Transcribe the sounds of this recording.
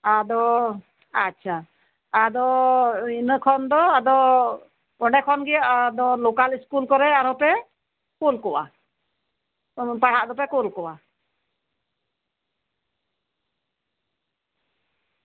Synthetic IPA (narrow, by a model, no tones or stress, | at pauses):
ad̪ɔ | atːt͡ʃʰa | ad̪ɔinəkʰɔnd̪ɔad̪ɔ | ɔɳɖɛkʰɔnɡɛjad̪ɔlokaliskulkɔɾɛaɾɔpɛ | kulkɔʔa̰ | paɽ̤aʔd̪ɔp̬ɛkulkɔʔa